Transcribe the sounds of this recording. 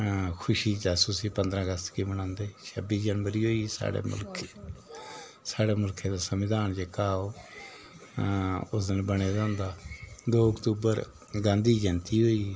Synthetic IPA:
kʰʊʃiːt͡ʃɛːsuːsiːpənd̪ɾãːəɡəst̪kiːməñãːnd̪eːt͡ʃʰəbiːsd͡ʒənʋəɾiːɦoːiːsa̰ːɽḛːmʊ̰lkʰe | saːɽeːmʊlkʰeːd̪aːsəmɪd̪aːnd͡ʒeːkaːoː | ʊsd̪ənbəɽeːd͡ʒãːnd̪aːd̪oːəkt̪uːbəɾ | ɡãːnd̪iːd͡ʒənt̪iːɦoːiː

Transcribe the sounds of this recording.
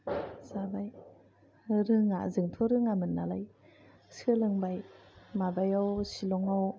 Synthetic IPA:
zabaj | ɾɯŋa̰zɯŋtʰɔɾɯŋamɯnːalaj | sɯlɯŋbaj | mabajawsilɔŋaw

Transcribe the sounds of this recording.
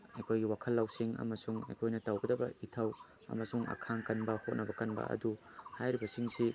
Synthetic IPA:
ɐjkʰojɡiwakʰɐlːawsiŋɐ̰mɐsuŋɐ̰jkʰojnɐtɐwɡɐdɐbɐitʰɐw | ɐ̰mɐsuŋʔɐ̰kʰaŋkɐnbɐhot̚nɐbɐkɐnbɐ̰ɐ̰du | hajɾibɐsiŋsi

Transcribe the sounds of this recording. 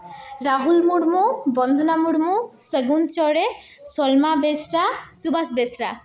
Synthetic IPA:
ɾaɦulmuɽmubɔnd̪ʱonamuɽmusəɡunt͡ʃɔɽe | sɔlmabesɾasubʱasbesɾa̰

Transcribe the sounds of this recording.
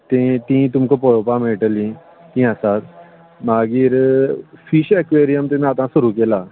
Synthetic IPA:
t̪ẽt̪ĩt̪umkopɔɽopameʈlĩ | t̪ĩasat̪ | maɡiɾfiɕekʋeɾijəmt̪ẽnat̪ãsuɾukela

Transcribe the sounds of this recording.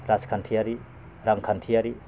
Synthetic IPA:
ɾaskʰantʰiaɾi | ɾaŋkʰantʰiaɾi

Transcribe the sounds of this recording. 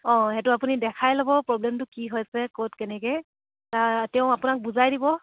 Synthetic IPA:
ɔ̃hɛtʊapunidɛkʰajlɔbɔpɹɔblɛmtʊkiɦojsɛkotkɛnɛkɛj | tatɛʊ̃apʊnak̚buzajdibɔ

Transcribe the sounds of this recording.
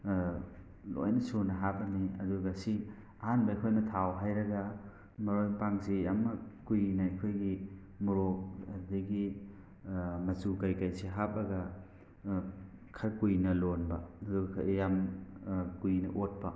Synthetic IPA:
lo̰jnɐsunɐɦapɐniɐ̰duɡɐsi | ɐɦanbɐɐjkʰojnɐtʰawɦajɾɐɡɐ | mɐɾojpaŋsijamːɐkujnɐɐkʰojɡi | muɾoɐdɐɡi | mɐzukajkajsiɦap̚ɐɡɐ | kʰɐɾkujnɐlonbɐɐduɡɐ̰jam | kujnɐʔot̚pɐ

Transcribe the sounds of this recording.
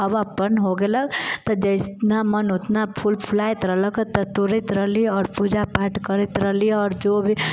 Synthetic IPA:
ɐʋapənɦoɡeləkt̪ɐd͡ʒəɪsnamənʊt̪napʰʊlpʰlaːjt̪ɾələkət̪ɐt̪ʊɾit̪ɾəliɔːɾpud͡ʒapaːʈkəɾit̪ɾəliɔːɾd͡ʒoːbʱi

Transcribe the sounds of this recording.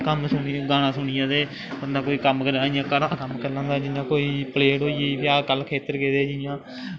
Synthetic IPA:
kəmsʊnɡaːnãːsʊɳɪjãːd̪eː | bənd̪aːkoːiːkəmkəɾaːɪjãːkəɾãːkəmkəɾlãːnd̪aːd͡ʒɪjãːkoːiːpəleːɽɦoːieːbjaːkəlkʰeːt̪əɾkeːd̪eːd͡ʒɪjãː

